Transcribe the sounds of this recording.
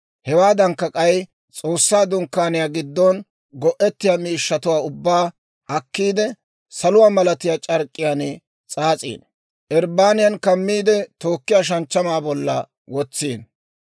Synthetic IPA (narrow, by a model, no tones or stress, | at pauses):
hɛwaːd̪ɐŋkːɐkʼɐj | t͡sʼoːsːaːd̪ʊŋkːaːnɪjaːɡɪd̪ːɔn | ɡɔʔɛt̪ːɪjaːmiːʃːɐt̪ʊwaːʊbːaː | ʔɐkːiːd̪ɛ | sɐlʊwaːmɐlɐt̪ɪjaːt͡ʃʼɐɾkʼːɪjaːnɪ | t͡sʼaːt͡sʼḭːn | ʔɛɾbaːnɪjɐnkɐmːiːd̪ɛt̪o̞ːkːɪjaːʃ̬ɐnt͡ʃːɐmaːbɔlːɐ | wɔt͡sːiːn